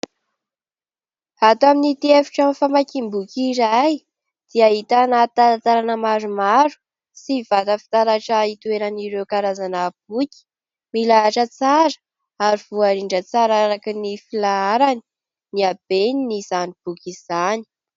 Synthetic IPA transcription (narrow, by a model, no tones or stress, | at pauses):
at̪aminit̪iefi̥ʈ͡ʂamfamakimbukiɾaj | d̪̥iaɦit̪anat̪aɾat̪aɾanəmaɾumaɾu̥ | sivat̪əfi̥t̪aɾaʈ͡ʂəit̪ueɾaniɾewkaɾazanəb̥̚ukʲi̥ | milaʈ͡ʂət͡saɾə̥ | aɾiv̥uaɾiɳɖ͡ʐət͡saɾaɾakinifilaaɾani̥ | niab̥eninizanib̥ukʲiz̥ani̥